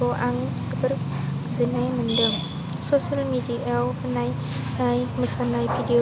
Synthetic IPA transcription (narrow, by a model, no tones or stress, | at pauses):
oʔaŋsəbər | zənajməndəm | sosəlmidiʔawpənaj | ajməsanajpʰidio